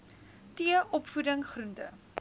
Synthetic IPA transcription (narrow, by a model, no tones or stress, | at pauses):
tiəʔɔpfudəŋχruntə̰